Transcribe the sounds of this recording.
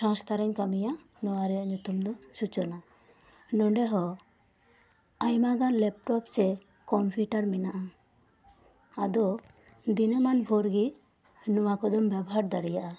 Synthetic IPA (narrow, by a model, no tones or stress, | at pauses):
sãst̪aɾɛɲkamija | nɔwaɾɛjaʔɲut̪umd̪ɔsut͡ʃɔna | nɔɖɛɦɔ | ajmaɡanlɛp̚ʈɔpsɛ | kɔmpʰuʈaɾminaʔa | ad̪ɔ | d̪inəmanbʱuɾɡi | nuwakɔd̪ɔmbabɔɦaɾd̪aɽijaʔa